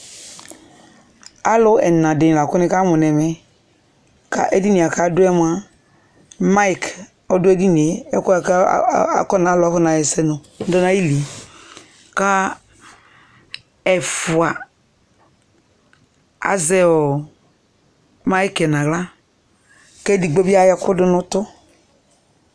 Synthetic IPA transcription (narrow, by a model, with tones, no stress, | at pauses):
a˦lʊ˦ɛ̰˨nã˨dɪ˨n˨la˨kʊ˦nɪ˦ka˦mʊ˨nɛ˨mɛ˨ | ka̰˦ʔɛ˦di˦ni˨a˨ka˦dʊ˦ɛ˦m˨˦a˦ | ma˦i˦k | ɔ˦dʊ˦ɛ˦di˦ni˨e˨ɛ˦kkɔ˦na˨˦lkɔ˦na˨jɛ˨sɛ˦nʊ˨˦ | dɔ˦na˦ji˦li˨ | ka˦ | ɛ˨fu˨a˨ | a̰˨zɛ˦ɔ˨ | ma˦i˦kɛ˨nã˨ɣla˦ | kɛ˦di˨ɡ͡bo˦bi˦a˦jɛ˦kʊ˦dʊ˦nʊ˦tʊ˦